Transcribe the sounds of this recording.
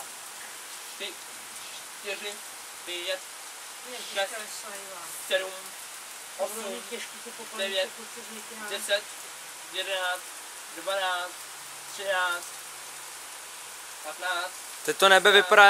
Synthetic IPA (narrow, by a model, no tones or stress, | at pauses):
t̪ɪ | t͡ʃ | t̪ɪrɪ | d̥ɛvjɛt̪̚ | ɛʃka | sɛdum | osumɛʃkisɛpodɛvjɛt̪ | dɛsɛt̪̚ | jɛdɛnaːt͡st̪ | dvanaːt͡st̪ | t̪r̥ɪnaːt͡st̪ | pat̪naːt͡st̪t̪ɛt̪onɛbɛvɪpaɾa